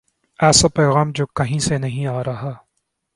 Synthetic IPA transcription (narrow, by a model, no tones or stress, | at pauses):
ɛːsapɛːɣaːmd͡ʒoːkɐɦĩsenɐɦĩaːɾɐɦaː